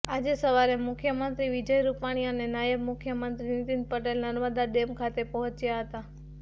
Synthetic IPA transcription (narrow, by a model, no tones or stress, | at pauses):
ad͡ʒesəʋaɾemʊkʰjəmənt̪ɾiʋid͡ʒəjɾupaɽ̃iənenajəbmʊkʰjəmənt̪ɾinɪt̪in̚pəʈelnəɾʋəd̪aɖemkʰat̪epəɦɔ̃t͡ʃjaɦət̪a